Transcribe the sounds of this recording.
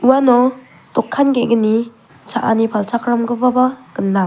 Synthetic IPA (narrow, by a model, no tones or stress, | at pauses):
uwanɔ | tɔkʰːanɡeɡɯni | t͡ʃʰaʔanipʰalt͡ʃʰakʰɾamɡɯbabaɡ̥ɯnːa